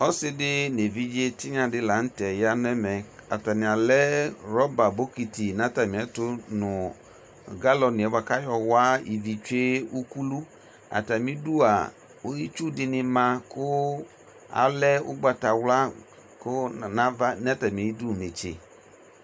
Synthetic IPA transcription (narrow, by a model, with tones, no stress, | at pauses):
ɔ˦sɪ˦dɪ˦ne˨vi˦d͡ʒe˦tɪ˦ɲa˧dɪ˧la˨˦n̩˦tɛ˨ja˦n˦ɛ˦mɛ˨a˨ta˨nɪ˨a˨lɛ˦ɾɔ˦ba˨bo˦ki˨ti˨na˦ta˨mĩ˨ɛ˨˦tʊ˦nʊ˨ | ɡa˦lɔ˧ni˨ɛ˨va˧ka˦jɔ˧wa˦i˨vi˨t͡ʃe˦u˦ku˦lu˦ | a̰˨ta˨mi˦du˦a˨ | o˦i˦t͡ʃu˦dɪ˧nɪ˧ma˧kʊ˦ | a̰˨lɛ˦ʊ̰˦ɡ͡ba˧ta˨wla˦ | kʊ˦na˦va˦nɛ˦ta˨mi˨e˨i˦du˦˨ne˨t͡ʃḛ˨